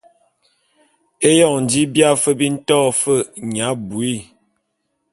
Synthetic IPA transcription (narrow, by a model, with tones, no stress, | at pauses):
e˦jɔ˦˨ŋn̩˨di˨˦bja˦˨fə˦bi˦n̩˦tɔ˦fə˦ɲa˨˦bu˨i˦˨